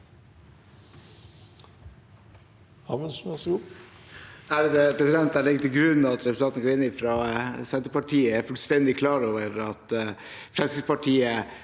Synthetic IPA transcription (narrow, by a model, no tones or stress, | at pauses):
hɑməsɛsɡuː | æɾd̪ɛpʰɾɛsɪd̪ɛnt̪æɭɪɡt̪ʰɪlɡɾʉnːɑt̪ɾɛpɾsnɑːt̪nɡɑɾɪnːɪfɾɑsɛnt̪əpɑʈʰiːəɛfʉlst̪ɛnd̪ɪkʰlɑːɾoːʋəɾɑt̪ | fɾɛlsɪspɑʈʰiːə